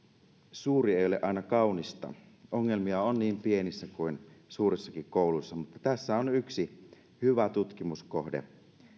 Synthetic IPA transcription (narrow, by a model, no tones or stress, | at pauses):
suːrieˑijoleʔɑinɑkɑunist̪ɑ̰ | oŋːelmiɑonniːmpie̞nisːækuinsuːɾesːɑkikkoˑulusːɑmut̪ːɑt̪æsːæonyksi | hyʋæt̪ut̪k̟imusko̰hdḛ